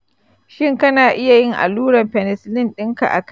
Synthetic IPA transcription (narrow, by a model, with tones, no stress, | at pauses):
ʃɪ˦ŋkɐ˦naː˨ʔɪ˦ja˨jɪ˦ŋʔa̰˨luː˦ɽɐ˨mɸɛ˨nɛ˨slɪ˦˨nɗɪ˦ŋka̰˨ʔa̰˨k